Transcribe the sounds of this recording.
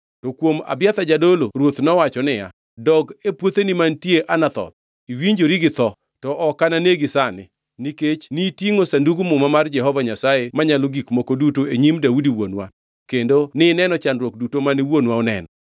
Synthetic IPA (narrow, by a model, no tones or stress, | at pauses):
tɔkwoma̰bjat̪ad͡ʒadolorwot̪nɔwat͡ʃɔnɪja̰ | dɔɡepwot̪enimantjeʔanat̪ɔ̰t̪̚ | iwiɲd͡ʒoɾiɡɪt̪ɔ | tɔʔɔkananeɡɪsanɪ̰ | niket͡ʃnitiŋosanduɡumʊmamard͡ʒɛɦɔvaɲasajemaɲaloɡikmɔkodutoeɲimdaudiwonwa̰ | kendonɪnɛnɔt͡ʃanɾwok̚dutomanɪwonwaɔnɛ̰nɔ